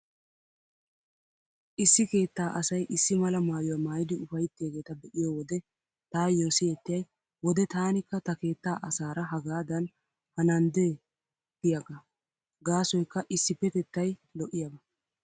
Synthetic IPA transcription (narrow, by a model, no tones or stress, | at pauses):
ʔɪsːɪke̞ːt̪ːaːʔɐsɐjʔɪsːɪmɐlɐmaːjʊwamaːjɪd̪ɪʊfɐjɪt̪ːɪjɐɡe̞ːt̪ɐbɛʔɪjɔwɔd̪ɛ | t̪aːjːoːsɪɛt̪ːɪjɐj | wɔd̪ɛt̪aːnɪkːɐt̪ɐke̞ːt̪ːaːʔɐsaːɾɐɦɐɡaːd̪ɐn | hɐnɐnd̪e | t̪ːɪjɐɡɐ | ɡaːsɔjkːɐʔɪsːɪpːɛt̪ɛt̪ːɐjlɔʔɪjɐbɐ